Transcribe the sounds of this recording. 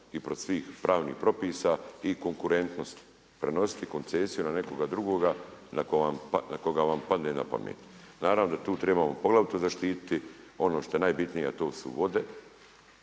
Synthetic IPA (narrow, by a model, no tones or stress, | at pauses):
ipɾot̪sʋiːxpɾʔaːʋnḭːhpɾo̞piːsaiko̞ŋkuɾe̞nt̪no̞st̪ | pɾe̞no̞si̥t̪iko̞nt̪seːsijunane̞koɡad̪ɾuɡoːɡanakoʋampanako̞ɡaʋampad̪nena̰pa̰mjḛt̪ | naːɾaʋnod̪at̪uːt̪ɾebamopo̞ɡlˠaʋut̪ozaʃt̪iːt̪i̥t̪i | o̞noʃt̪o̞je̞naːjbit̪nija̰t̪o̞ːsṵʋo̞d̪e̞